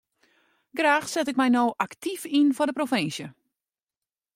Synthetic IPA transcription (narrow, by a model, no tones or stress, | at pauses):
ɡraːxsɛtɪkmɛjnoːʔaktʰifinfɔdəprofɪnsjə